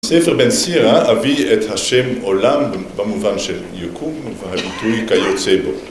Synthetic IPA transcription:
sefeʁbɛnsiʁaaviethaʃɛmolambbamuvanʃeljokʰumveɦabitujkajot͡sebo

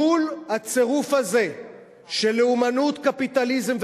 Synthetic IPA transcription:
ulhat͡se̞ʁufaze̞ | ʃe̞leumanut̪kapit̪alizemv

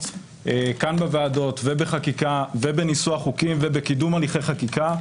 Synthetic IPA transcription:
ekanbeveado̞tvebeχakikavebe̞nisuaχukimvebekidumaliχe̞jχakika

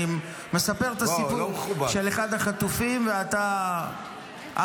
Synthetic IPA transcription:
i | me̞sape̞ʁt̪asipumubaʃeleχad̪haχat̪ufimveat̪a | ʔa

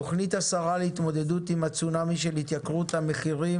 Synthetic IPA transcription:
oχnit̪asaʁaleit̪mo̞d̪e̞d̪ut̪imat͡sunamiʃelit̪jakʁut̪hame̞χiʁi

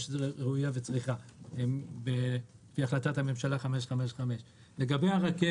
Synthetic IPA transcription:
ʃʁeujavet͡sʁiχaembefiaχlatathame̞mʃalaχameʃχame̞ʃχameʃ | le̞ɡabejaʁake

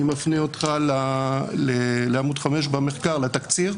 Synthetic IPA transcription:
imafniot̪χalaleleamud̪χameʃbame̞χkaʁlat̪akt͡siʁ

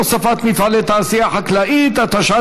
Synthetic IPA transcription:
sˤɑfaːt̪miθalet̪asɪjaːħaklaʔiːd̪at̪aʃaː

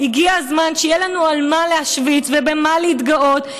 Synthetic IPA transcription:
hiɡiazmanʃejelanualmaleaʃvit͡svebemaleit̪ɡao̞t̪

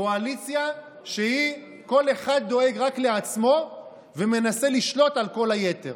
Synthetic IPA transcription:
oalit͡sja | ʃehi | ko̞le̞χad̪̚ːo̞e̞ɡʁakle̞at͡smo̞ | veme̞nase̞liʃlo̞t̪alko̞lhaje̞t̪e̞̰ʁ

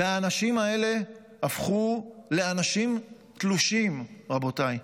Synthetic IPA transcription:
aːnaʃimae̞le̞ | afχule̞anaʃim | t̪luʃimʁabo̞taj

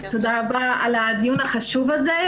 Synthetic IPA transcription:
t̪odaʁabaalaːd̪junaχaʃuvaze

